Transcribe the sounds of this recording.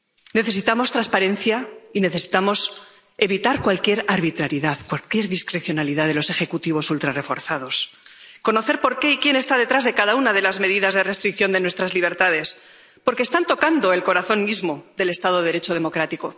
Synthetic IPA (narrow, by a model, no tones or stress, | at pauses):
ne̞θe̞s̬it̪amo̞st̪ɾanspaɾe̞n̟θjaine̞θe̞si̥t̪amo̞s | e̞βit̪aɾkwalkje̞ɾaɾβit̪ɾaɾjiðaðkwalkje̞ɾðiskɾe̞θjo̞naliðaðe̞lose̞xe̞kut̪iβ̞o̞sult̪ɾare̞fo̞̰ɾθaðo̞s | ko̞no̞θe̞ɾpo̞ɾke̞ikje̞nest̪aðe̞t̪ɾazðe̞kaðaunaðe̞lazme̞ðiðazðe̞re̞st̪ɾik̚θjo̞nd̪e̞nwe̞st̪ɾazliβ̞e̞ɾt̪aðe̞s | po̞ɾkest̪ant̪o̞kand̪o̞e̞lko̞ɾaθo̞nmizmo̞ðe̞le̞st̪aðoðeɾe̞t͡ʃo̞ðe̞mo̞kɾat̪iko̞